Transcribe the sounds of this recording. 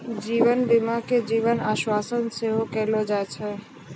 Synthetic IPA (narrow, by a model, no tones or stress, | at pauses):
d͡ʒiːʋənbɪmaked͡ʒiːʋənaːʃwaːsənseɦokɛɦlod͡ʒat͡ʃʰɛ